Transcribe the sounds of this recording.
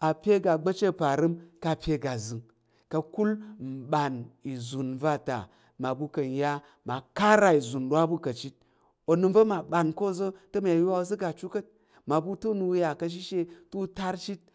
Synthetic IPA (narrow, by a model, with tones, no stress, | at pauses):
a˨pʲe˦ɡa˨ɡ͡bə˦t͡ʃe˦˨pa˨ɾɨ˦mka˧pʲe˨˧ɡa˨zɨ˨ŋ | kɐ˧ku˦lm̩˨ɓa˨ni˨zu˨nva˦ta̰˨ | ma˨bu˧kɐ˨n˨ja˦ | ma˨ka˦ɾa˨i˨zu˨nɗwa˦bu˦kɐ˨t͡ʃi˦t̚ | o˨nɨ˧mvə˦ma˨ɓa˨nko˦˨zə˦tə˦ma˨a˨ju˦a˦o˨zə˦ɡa˨t͡ʃu˦kə˦t̚ | ma˨bu˧tu˦nu˧wja˨kɐ˧ʃ̬i˦ʃe˧tu˦ta˦ɾt͡ʃi˦t̚